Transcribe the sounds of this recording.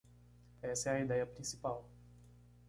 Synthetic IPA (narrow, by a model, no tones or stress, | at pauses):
ɛsɛɐid̪ɛjɐpɾĩsi̥paw